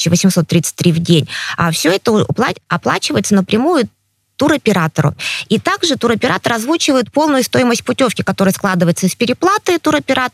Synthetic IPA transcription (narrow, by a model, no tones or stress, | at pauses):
ɕːɪvəsʲɪmso̞t̪ːɾʲit̪sɨ̥t̚ʲt̪ɾʲivdʲenʲafsʲɵɛt̪əp̪ˠaɐplˠa̰t͡ɕɪvəjɪt̪sənəpɾʲɪmujʊ | t̪uɾɐpʲɪɾat̪əɾʊ̰it̪aɡʐɨt̪uɾɐpʲɪɾat̪əɾɐzvut͡ɕɪvəjɪt̪̚po̞lˠnʊjʊst̪o̞ɪməsʲt̚ʲpʊtʲo̞fkʲɪkɐt̪o̞ɾɨjəsklˠad̪ɨvəjɪt̪səɪspʲɪɾʲɪplˠat̪ɨt̪uɾɐpʲɪɾat̪